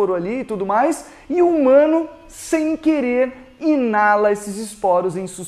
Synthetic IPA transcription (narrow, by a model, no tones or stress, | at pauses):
ɾʊaliɪt̪ud̪ʊmajs | ɪumɐ̃nʊ | sẽj̃keɾeɾ | inalɐesɪzɪspɔɾʊzẽj̃sus